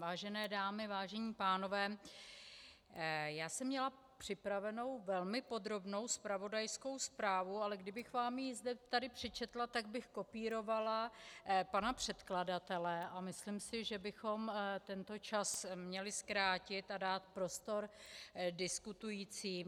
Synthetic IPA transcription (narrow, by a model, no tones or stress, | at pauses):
vaːʒɛnɛːdaːmɪvaːʒɛɲiːpaːno̞vɛː | jaːsɛmːɲɛla | pr̝̥ɪpɾavɛno̞wvɛlmɪpo̞d̪ɾo̞bno̞wspɾavo̞dajsko̞wspɾaːvualɛɡdɪbɪxvaːmjizdɛt̪adɪpr̥ɪt͡ʃɛt̪lat̪aɡ̚bɪxko̞piːɾo̞valapanapr̝̥ɛt̪kladat̪ɛlɛʔamɪslimsɪʒɛbɪxo̞mt̪ɛnt̪o̞t͡ʃasmɲɛlɪskɾaːcɪt̪adaːt̪pɾo̞st̪o̞ɾdɪskut̪ujiːt͡siː